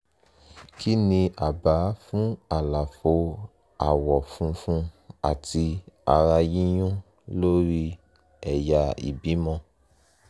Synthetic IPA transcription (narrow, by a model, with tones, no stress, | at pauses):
ki˦nĩ˧ʔa˨ba˨˦fũ˦a˨la˨fo˧˦ | a˨wɔ˨fũ˧˦fũ˦a̰˨ti˧a˧ɾa˧ji˦j̃ũ˦ | lo˦ɾi˦ | ɛ˨ja˨˦ḭ˨bi˨˦mɔ̃˧